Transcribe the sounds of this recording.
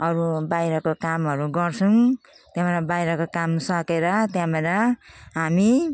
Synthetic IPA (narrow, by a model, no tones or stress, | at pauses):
ʌɾubajɾʌkokamɦʌɾuɡʌrt͡sʰuŋ | t̪jãmʌɾʌbajɾʌkokamsʌkeɾʌt̪jãmeɾʌɦami